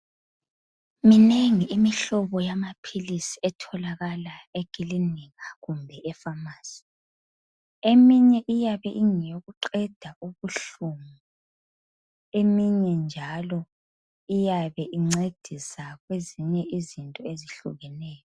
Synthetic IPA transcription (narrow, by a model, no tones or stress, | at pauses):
mineŋiimiɬɔβɔjamapʰilisiɛtʰɔlaɣalaeɡ̥ʱiliniɣaɣumbʱɛʔɛfamaːsi̥ | emiɲɛʔijaβɛʔiŋijoɣuǃɛd̥ʱaʔuβuɬumu | emiɲɛnd͡ʒʱalɔ | ijaβɛʔiŋ͡ǀed̥ʱisaɣweziɲɛʔizintʼɔeziɬṵɣɛnɛːjɔ